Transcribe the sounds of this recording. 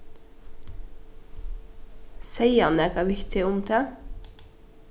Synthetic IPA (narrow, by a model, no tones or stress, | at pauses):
sæɪɑnæːɡɑːʋɪkt̪ʰɪʊmt̪ʰɑː